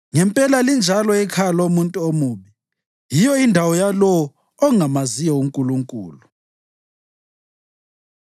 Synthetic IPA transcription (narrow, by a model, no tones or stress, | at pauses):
ŋɛmpʼɛlalind͡ʒʱalɔɛkʰalomuntʼuomuːβi | jijɔindʱawɔjalɔː | ŋamazijɔuŋkʼuluŋkʼṵːlu